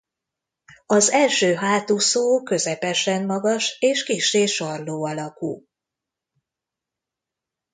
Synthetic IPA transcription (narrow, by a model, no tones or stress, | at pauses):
ɒzɛlʃøːɦaːt̪usoːkø̞zɛpɛʃɛmːɒɡɒʃeːʃkiʃeːʃɒrloːɒlɒkuː